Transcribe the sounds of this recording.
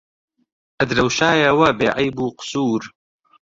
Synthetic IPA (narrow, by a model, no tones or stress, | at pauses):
ʔɐd̪ɾɐwʃaːjɐwɐbeːʕɐjbuːqʊ̥suːɾ